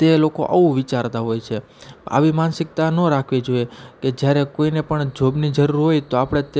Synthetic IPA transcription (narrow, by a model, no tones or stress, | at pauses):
t̪eloko̰ʔa̰ũʋɪt͡ʃaɾt̪aɦojt͡ʃʰe | a̰ʋimansɪk̚t̪anõɾakʰʋid͡ʒoeked͡ʒjaɾekoinepəɳd͡ʒobnid͡ʒəɾuɾɦojt̪oapɽ̃et̪